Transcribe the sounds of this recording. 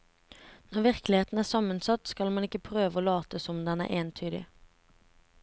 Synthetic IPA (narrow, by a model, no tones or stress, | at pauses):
nɔʁʋɪʁklɪheːt̪n̩æːsɑmːənsɑt̪skɑlmɑnɪkːəpʰʁøːʋəoːlɑːt̪əsɔmd̪ɛnæ̰ːʔeːnt̪ʰyːd̪ɪ̰